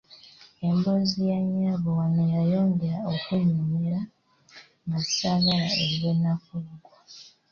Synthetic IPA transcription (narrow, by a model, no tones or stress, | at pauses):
e̞mbozijaɲaβowanojajo̞ːŋɡeɾaokuɲuɲeɾa | ŋɡasaɡalaeɾenːakuɡwa